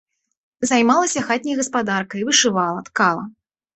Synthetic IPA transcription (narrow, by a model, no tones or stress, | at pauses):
zajmalˠɐsʲɐxat̪̚ʲnʲijɐɣɐspad̪arkɐivɨʂɨvalˠɐt̪kalˠɐ̰